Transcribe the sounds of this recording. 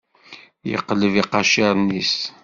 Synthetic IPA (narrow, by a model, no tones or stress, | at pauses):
jə̰qːləviqɑʃɪɾˤnis